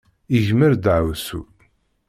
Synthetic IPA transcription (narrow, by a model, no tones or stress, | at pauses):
iʝməɾd̪ʕwsṵ